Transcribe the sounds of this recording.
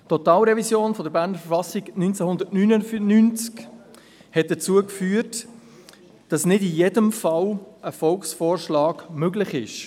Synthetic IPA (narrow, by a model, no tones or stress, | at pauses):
tɔtɑːlɾɛvisjoːnfɔdəɾbæːɾnəɾfəfɑsiɡnynt͡sɛhʊndəɾtnynəfnynt͡sk | hɛt̚d̥ət͡suːəkfyːəɾt | d̥ɑsnɪdijɛdəmfɑləfɔlksfoːɾʃlɑːɡmøɡlɪχɪʃ